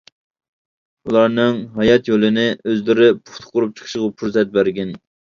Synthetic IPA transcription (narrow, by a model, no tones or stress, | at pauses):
ulˠɑɾnɨŋɦɑjɑt̪jolˠɪnɪøzlɪɾɪpʰu̥χt̪ʰʊ̥qʊɾup̚t͡ʃʰə̥χʰəʃʁɑpʰuɾsɛt̪̚bæɾɡʲɛn